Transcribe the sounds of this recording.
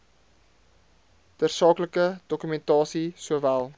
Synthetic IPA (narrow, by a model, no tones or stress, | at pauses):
dərsɑːkləkəd̥ɔkymɛntɑːsisuəvælˠ